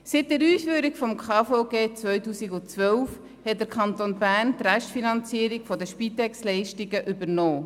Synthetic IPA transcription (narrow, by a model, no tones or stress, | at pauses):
sɪt̚dɛɾyːsfyːɾikfɔmkʰɑːfɔʊɡeːt͡sʋœʏtuːsiɡʊt͡sʋœlf | hɛt̚d̥əɾkʰχɑnt̪onbæːɾntræʃtfinɑnt͡siəɾikfɔdəʃpit̪ɛkslɛɪʃtiɡəʔʏbəɾnoː